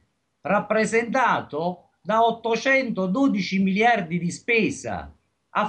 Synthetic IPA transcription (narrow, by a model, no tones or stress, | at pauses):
rapːɾɛzɛnt̪aːt̪ʊ | d̪aɔt̪ːʊt͡ʃɛnt̪ʊd̪uːd̪it͡ʃimiljard̪id̪ispɛːsa̰ | a